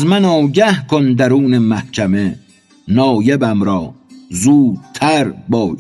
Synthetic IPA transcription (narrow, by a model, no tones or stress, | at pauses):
zmænɒːwɟæhkʰond̪æɾuːnemæhcʰæme | nɒːjebæmɾɒːzuːd̪̚t̪ʰæɾbɒːj